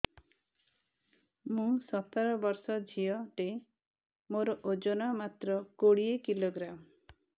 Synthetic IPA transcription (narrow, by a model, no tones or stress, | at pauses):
mũsɔt̪ɔɾɔbɔɾsɔd͡ʒʱiɔʈe | moɾɔʔod͡ʒonamat̪ɾɔkoɽiekiloɡɾam